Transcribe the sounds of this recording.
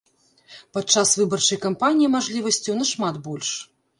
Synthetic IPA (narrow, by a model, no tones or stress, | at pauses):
pat̪̚t͡ʂasvɨbɐrt͡ʂɐjkampanʲijimaʐlʲivɐsʲt͡sʲuwnɐʂmat̪bɔlʲʂ